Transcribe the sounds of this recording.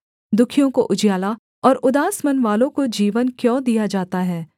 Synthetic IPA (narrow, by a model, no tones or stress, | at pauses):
d̪ʊkʰijõkoʔʊd͡ʒjaːla | ɔːɾʊd̪aːsmɐnʋaːlõkod͡ʒiːʋənkjõːd̪ijad͡ʒaːt̪aɦɛː